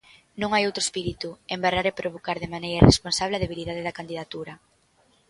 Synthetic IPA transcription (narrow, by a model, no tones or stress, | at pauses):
nõŋajowt̪ɾoespiɾit̪uembaraɾepɾoβ̞okaɾðemanejɾɐrḛsponsaβleɐðeβ̞iliðaðeðɐkand̪iðat̪uɾɐ